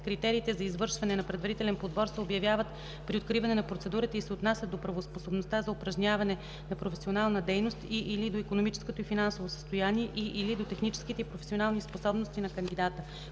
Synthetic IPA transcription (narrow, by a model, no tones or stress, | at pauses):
kɾit̪ɛɾiːt̪ɛzɐizvɤɾʃvɐnɛnɐpɾɛd̪vɐɾit̪ɛlɛnpod̪vɔɾsɛobjɐvʲjavət̪ | pɾiot̪̚kɾivɐnɛnɐpɾot̪sɛd̪uɾət̪ɛisɛot̪nasʲətd̪opɾɐvosposobnost̪azɐʊpɾɐʒnʲavɐnɛ | nɐpɾofɛsionalˠnəd̪ɛjnost̪iʔilid̪oikonomit͡ʃɛ̥skot̪oifinansovosə̥st̪ojaniɛʔiʔilid̪ot̪ɛxnit͡ʃɛ̥sk̟it̪ɛipɾofɛ̥sionalˠnisposɔbnost̪inɐkɐnd̪id̪at̪ə